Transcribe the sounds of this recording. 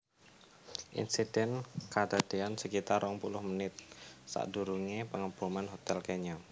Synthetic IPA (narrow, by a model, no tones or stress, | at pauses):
ʔḭnsid̥ɛnkad̪̥ad̥eansəkit̪arɔŋpulʊhmənɪt̪̚sa̰ʔduɾuŋepəŋəbumanɦot̪ɛlkɛɲɔ